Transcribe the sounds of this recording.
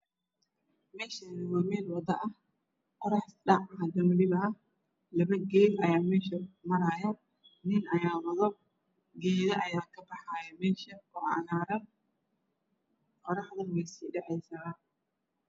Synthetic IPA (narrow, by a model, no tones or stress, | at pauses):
mɛːʃɐnɪwɐmɛːnwɐd̪ɐʔɐh | qɔɾɑħɗɑʕɐd̪ɐmlɪβɐʔɐh | lɐβɐɡɛːd̪ɐjaːmɛːʃɐmɐɾaːja | nɪnɐjaːwɐðɔb̚ | ɡɛːðɐʔɐjaːkʰɐbɐħajɐmɛːʃɐkʊʕɑ̰ʔnaːɾɐn | qɔɾɑħðɐnwɛjsiːɗɛʕɛjsa